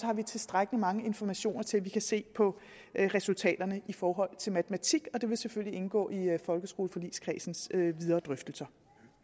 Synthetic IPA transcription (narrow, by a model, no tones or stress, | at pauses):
hɑ̈ʋit͡sʰe̝sd̥ʁaɡ̥əlimɑ̈ŋəe̝nfɒmæɕo̝̰ːnɐt͡sʰe̝lʋikʰæse̝̰ːpʰɒ̽ | ʁɛsult͡sʰɛ̰ːd̥ɐnəʔifɒːɦɒ̽l̰t͡sʰe̝lmæt͡sʰəmæt͡sʰiɡ̥ɒ̽d̥e̝ʋe̝lseføl̰liʔe̝nɡ̥ɔ̰ːifɒ̽lɡ̥əsɡ̥o̝ːləfɒ̽lḭːskʰʁɛ̰ːsn̩søʋið̞ˠɐːd̥ʁœfd̥l̩sɐ